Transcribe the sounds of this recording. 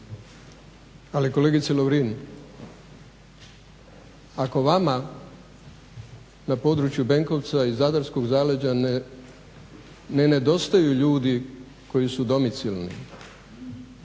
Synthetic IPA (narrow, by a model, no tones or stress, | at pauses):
aliko̞le̞ːɡit̪seloʋɾin | ako̞ʋama | napo̞ːd̪ɾut͡ʃjube̞ŋko̞ʋt̪saizad̪aɾsko̞ɡzaːled͡ʑa | nene̞d̪o̞st̪ajuʎuːd̪i | ko̞jisud̪o̞mit̪silnḭ